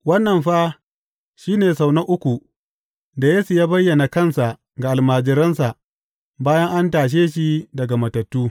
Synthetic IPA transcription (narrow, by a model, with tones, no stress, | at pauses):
wɐ˦nːɐ˨mɸaː˦ | ʃiː˦neː˨sa˨wnɐ˦ʔʊ˦kʷu˨ | da˨jeː˦su˨jaː˦bɐ˦jːɐ˨na˨kɐ˦˨nsa˨ʔ | ɡa˨ʔa˨lmaː˨d͡ʒɪ˨˦ɾɐ˦nsa˨ʔ | baː˦jɐ˦ŋʔa˦ntaː˨ʃ̬eː˦ʃ̬i˦dɐ˨ɡa˨mɐ˨tɐ˨tːuː˦